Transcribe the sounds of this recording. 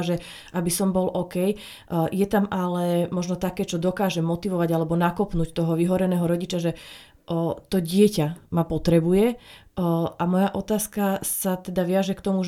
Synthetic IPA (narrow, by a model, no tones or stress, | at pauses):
ʒɛ | ʔabisɔmbɔlʔɔkɛj | jɛt̪amalɛmɔʒnɔt̪akɛːt͡ʃɔd̪ɔkaːʒɛmɔt̪iʋɔʋaɟalɛbɔnakɔpnuːct̪ɔɦɔʋiɦɔɾɛnɛːɦɔɾɔɟit͡ʃaʒɛ | t̪ɔɟɪɛcamapɔt̪ɾɛbujɛ | ʔamɔjaʔɔt̪aːskasat̪ɛd̪aʋɪaʒɛkt̪ɔmu